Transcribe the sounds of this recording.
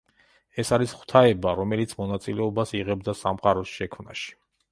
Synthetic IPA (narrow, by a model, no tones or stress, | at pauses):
ɛsaɾisχw̥t̪ʰaɛbaɾɔmɛlit̪sʰmɔnat̪sʼilɛɔbasiʁɛbd̪asamqʼaɾɔsʃɛkʰmna̰ʃi̥